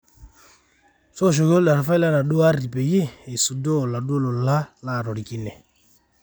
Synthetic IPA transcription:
sɔ˦˨ʃ̬ɔ˨kɔ˦lɗa˨ɾa˨fa˦i˦la˦na˨ɗo˦a˦ɾi˨pɛ˨je˦e˨su˨dɔ˦˨la˨ɗo˦lo˨la˦la˦˨ɾɔ˨ɾi˨ki˦nɛ˨

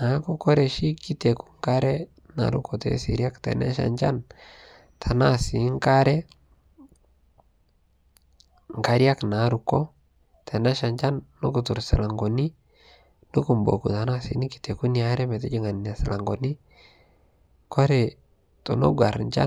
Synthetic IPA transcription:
na˨˦ku˦kɔ˦ɾɛ˨ʃi˦ki˦te˨ku̥˦ŋka˦ɾɛ˦ | na̰˨ɾṵ˦kɔ˨tɛ̰˦sḭ˨ɾja˦ktɛ̰˨na̰˦ʃa̰˨ɲt͡ʃa˦n | tʰa˨na˦si˨˦ŋ˦ka˦ɾɛ˦ | ŋka˦ɾja˦kna˨˦ɾu˨kɔ˦ | tʰɛ˨na˦ʃa˨ɲt͡ʃa˦nːu˦ku˨tu˨ɾsɪ̰˨la˨ŋɡo˨ni˦ | nu˦ku˨mbo̰˨kṵ˨ta˨na˦sḭ˨˦ni˦ki̥˨te˨ku˦ni˨a˦ɾɛ˦mɛ˨tɛ˦d͡ʒi˦ŋa˨nː˨a˨sɪ˨la˨ŋɡɔ˨ni˦ | ko˦ɾɛ˨ | to̰˨no̰˦ɡa˨ɾɲt͡ʃa̰˦

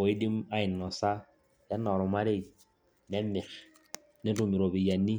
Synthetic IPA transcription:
o˨ɪ˦dɪ˦ma˦ɪ˨nːɔ˨sa˦ | jɛ˦nɔ˨ɾʊ˨ma˦ɾe˦˨ | nɛ˦mɪ˨x | nɪ˦tʊ˨mɪ˨ɾo˨bɪ˨ja˨nːi˦

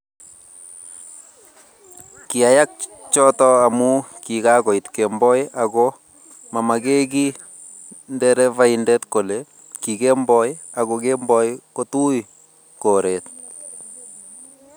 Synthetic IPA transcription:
ki˨a˨ja˦k̚t͡ʃɔ˦tɔ˦a˨mu˦ki˨ka˦kɔ˨itkembɔ˦jakɔ | ma˨ma˨ke˦ki˦ | ndɛɾɛ˦va˦indɛ˦tko˨le˨ | ki˨ke˦mbɔ˦j | a˨kokembɔ˦jko˦tu˦j | ko˨ɾe˨t̚

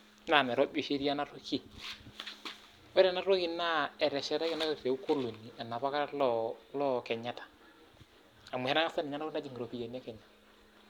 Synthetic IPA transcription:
na˦˨nɛ˨ɾɔ˦bi˦ʃe˦ɾi˦a˦na˦ɾo˦ki˦˨ | wɛ˦ɾɛ˨na˦ɾo˦ki˦na˦ɛ˨ɾɛ˨ʃɛ˦ɾɛ˦kɛ˦na˦ɾe˨˦u˦ko˦lo˨nːi˨a˨na˨pa˦ka˦ɾa˦lɔ˦lɔ˦kɛ˨ɲa˦tḁ˨ | a˨mu˨hɛ˦na˦ŋa˦sa˦n˨ɲa˦a˦o˦na˦d͡ʒi˨ŋɡɾo˨pi˨ja˨nɛ˦kɛ˨ɲa˨

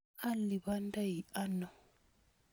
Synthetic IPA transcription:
a˦li˨βa˦nda˦i˨a˦nɔ˨

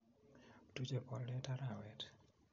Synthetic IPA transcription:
tu˦t͡ʃɛ˨pɔ˦lːɛ˦ta˦ɾa˨wɛ˨t

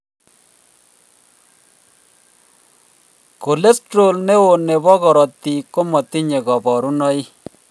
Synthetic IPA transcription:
ko˨le˦stɾo˨lne˦wo˨ne˨βɔ˦ɣɔ˨ɾɔ˨t̪i˨ko˦mɔ˨t̪i˦ɲe˨ɣɔ˨bɔ˨ɾu˦nɔ˦i˦

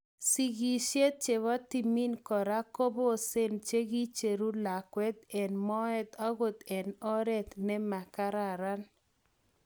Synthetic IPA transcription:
si˦ɡi˦ʃe˦t͡ʃe˨wa˦t̪i˨mi˦nkɔ˨ɾa˦ko˦bo˦se˦nt͡ʃe˦ɡi˦t͡ʃe˨ɾu˦la˨kwɛ˦t̪ɛ˨nmɔ˦ɛ˦t̪ɔ˦ɡʊ˦t̪ɛ˨nɔ˦ɾɛ˦t̪nɛ˦ma˨ka˦ɾa˨ɾa˦n

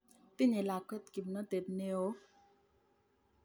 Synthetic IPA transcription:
pi˦ɲe˨la˨kə˦t̪̚ki˨mnə˦te˨t̚ne˦o˦

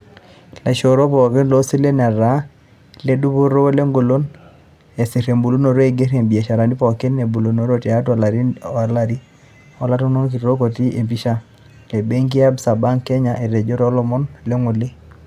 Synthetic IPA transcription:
la˨ʃo˨ɾo˦pɔ˨ke˦nlo˦si˦le˦na˨ɾa˦ | le˦du˦bo˦ɾo˦le˦ŋɡo˨lo˦n | e˨si˨ɾe˨mbu˨lu˦no˨ɾo˦e˨ɡe˦ɾe˨mbi˨a˨ʃa˨ɾa˨ni˦pɔ˨ke˦nːe˨bu˨lo˨no˦ɾo˦ti˨a˦twa˨la˨ɾi˦a˨la˨ɾi˦ | ɔ˨˦la˦to˦no˦nk̬i˨ɾo˦ko˨ti˦ʔe˨mpi˦ʃa˦ | le˨be˦ŋki˦a˦bsa˨ba˦ŋkɛ˦ɲa˦ʔe˨ɾe˨d͡ʒo˦ɾɔ˦lɔ˨mɔ˦nle˦ŋu˨li˦

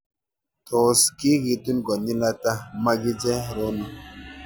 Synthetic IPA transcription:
tʰo˨ski˦ɡi˨t̪u˦nɡo˨ndi˦na˦ta˦ma˦ɡi˦d͡ʒe˦ɾo˦nu˦

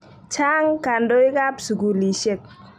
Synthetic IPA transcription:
t͡ʃa˦ŋka˨ndo˦ɪ˦ka˦psu˨ɡu˨li˨ʃe˦˨k̚

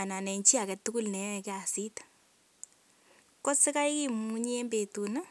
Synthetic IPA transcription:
a˨na˨nɛ˨ɲt͡ʃi˦a˨kɛ˨tu˦ku˦lnɛ˨˦˨kɛ˦a˨si˦tḁ | kɔ˦sɪ˦ka˦jki˦mu˦ɲ˦e˦mbe˨tu˨na˦

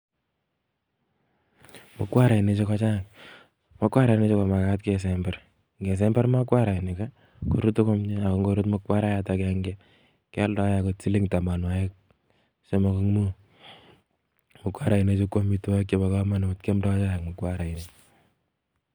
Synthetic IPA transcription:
mʊ˦kwa˦ɾa˨i˨ne˨t͡ʃe˦kɔ˦t͡ʃa˦˨k̚ | mɔ˦kwa˦ɾa˨i˨ne˦t͡ʃe˦kɔ˨ma˨kat̚ke˨s̬ɛmbɛr | ŋɡe˨s̬ɛmbɛ˦ɾma˦kwa˦ɾa˨i˨ne˨ka˦ | ko̰˦ɾu˦tʊ˦ko˦mɲe˦a˨ko˨˦ŋɡo˦ɾu˦tmʊ˦kwa˦ɾa˦jatakɛŋɡɛ | kɛ˦ldɔ˨˦ja˨ko˨t͡si˦li˦ŋta˨ma˨nwa˨e˦k̚ | se˦mo˦ko˦ŋmu˦ | mʊ˨kwa˦ɾa˨i˨ne˦t͡ʃe˦kːo˦mi˦ta˦kt͡ʃe˦ba˨kama˦n˨˦tke˦mdɔ˦t͡ʃa˦˨k̚mo˨kwa˦ɾa˨ine˦

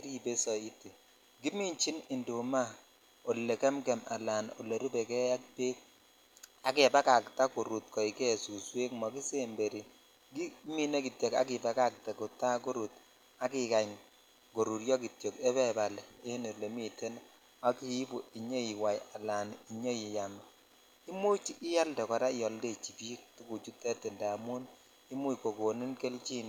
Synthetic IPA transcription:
e˦ɾi˦be˦sɔ˨i˦tːe˨ | ɡi˦mi˦ɲt͡ʃi˦nɪ˨ndu˨ma˦ | o˨lːe˨kɛ˦mɡɛ˨ma̰˨la˨no̰˨lːe˨ɾu˦be˨kɛ˦ja˦k̚pe˦k̚ | a˨ke˨ba˦ka˨kta˦ku˨ɾu˨tkɔ˨i˨ke˦˨su˨swe˦kmɔ˨ki˦se˦mbe˨ɾi˨ | ɡi˦mi˦ne˦ki˨tje˨ka̰˦kɪ˨ba˦ka˦˨k̚te˨ko˨ta˦ko˦ɾu˨t | a˦ki˨ka˨ɲ | ɡo˨ɾu˨ɾjɔ˦ki˨tje˨ke˦bɛ˦ba˨le˦nu˨ɾle˨mi˦te˦n | a˦ki˦pu˨i˨ɲo˦i˨wa˨ja˨la˨ni˨ɲo˦ji˨ja˨m˨ | i˦mu˦t͡ʃi˦ʔɪ˦ja˦ldɛ˨kɔ˨ɾa˦i˦jɔ˨lde˦t͡ʃi˨pi˦k̚tu˦ku˨t͡ʃu˦te˦te˨nda˨mu˦n | i˦mu˦i˨ko˨ko˨ni˦nke˦lt͡ʃi˦n˨

